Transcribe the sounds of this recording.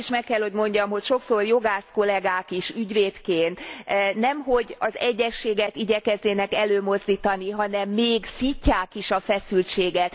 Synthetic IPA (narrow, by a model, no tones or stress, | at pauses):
iʃmɛkːɛlho̞ɟmo̞ɲɟɒmɦo̞cʃo̞ksorjo̞ɡaːsko̞lɛɡaːkiʃyɟveːt̪keːnt̪nɛmɦo̞ɟɒzɛɟːɛʃːeːɡɛt̪iɟɛkɛzneːnɛkɛløːmo̞zd̪iːt̪ɒniɦɒnɛmːeːɡsicːaːkiʃɒfɛsylt͡ʃeːɡɛt̪